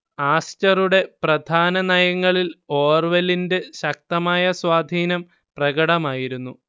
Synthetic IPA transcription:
aːst͡ɕɐruɽe̞prɐd̪ʱaːnɐnɐjɐŋːɐɭilo̞ːrʋelinde̞ɕɐk̚t̪ɐmaːjɐswaːd̪ʱiːnɐm | prɐɣɐɽɐmaːjiɾunːu

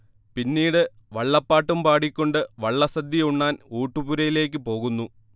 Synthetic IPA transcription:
pinːiːɽɨ | ʋɐɭːɐpːaːʈːumpaːɽikʲːo̞ɳɖɨʋɐɭːɐsɐd̪ːjiuɳːaːnuːʈːubuɾɐjile̞ːkːɨpo̞ːɣunːu

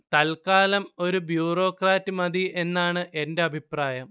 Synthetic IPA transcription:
t̪ɐlkaːlɐmo̞ɾubjuːro̞ːkraːtːɨmɐðie̞nːaːɳɨʔe̞nde̞ɐbʱipraːjɐm

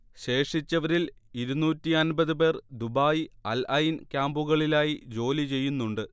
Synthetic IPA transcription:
ɕe̞ːʂit͡ɕːɐʋɐɾiliɾunuːtːiɐnbɐðɨp̬e̞ːrd̪ubaːjiɐlɐjinkʲaːmbuɣɐɭilaːjid͡ʑo̞ːlit͡ɕe̞jːunːuɳɖɨ

